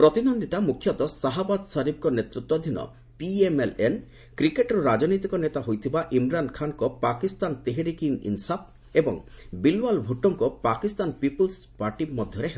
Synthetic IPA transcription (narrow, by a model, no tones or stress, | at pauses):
pɾɔt̪inond̪ʱit̪amukʰːjɔt̪ɔsaɦabad̪saɾib̚kɔnet̪ɾut̪ːwɔd̪ʱinɔ̰ | piemelen | kɾikeʈɾɔɾad͡ʒnojt̪̬ikɔnet̪aɦojt̪ʰibaʔimɾankʰankɔpakist̪ant̪eɦeɾikiŋḭnsap̚ | ebɔ̰ŋbilwalbʱuʈɔŋkɔpakist̪anpipolspaɾʈimɔd̪ʱjɔɾeɦe